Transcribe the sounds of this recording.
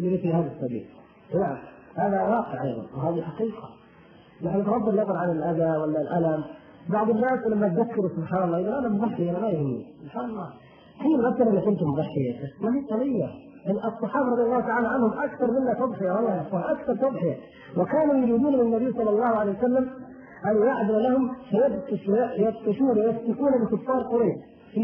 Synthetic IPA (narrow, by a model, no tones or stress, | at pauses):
llifihaːðasːɑbḭːl | naʕam | haːðawɑːqəʕʔɑ̰jðˤɑ̰nwhaːðiħaqiːqɑ̰ | naħnt̪nɑb̪ˤːɪlnɑðˤɑɾʕanɪlʔaðawalːalʔalam | baʕd̪ˤɪnːaːslamːat̪ðakːɪɾusʊbħaːnɑlːˤɑːʔɪnːalʔanamʊðˤɑħːɪjʔanamajʊhɪmːḭsʊbħaːnɑlˤːɑː | fiːmʕasːɑɾʔɪnːakɪnt̪ʊmːʊðˤɑħːɪjat̪amahiːt̪ˤɑlɪjːa | ʔɪnʔɑsˤːɑħɑːbɑɾˤɑd̪ˤjɑlːɑːhʊt̪aʕaːlaʕanhʊmʔakθɑɾˤmɪnːat̪ɑd̪ˤħɪjawɑlˤːɑːjaʕfˤɑːhʔakθɑɾˤt̪ɑd̪ˤħɪja | wɪkaːnujʊɾiːd̪uːnmɪnːabɪjːsˤɑlːɑlˤːɑːhʊʕaleːjwasalːam | ʔanjaʕd̪ɪɾlahʊmfajad̪t̪aʃjaʔjad̪t̪ːʊʃuːnjast̪ɪkuːnabɪkʊfːɑːɾˤqʊɾaːʃ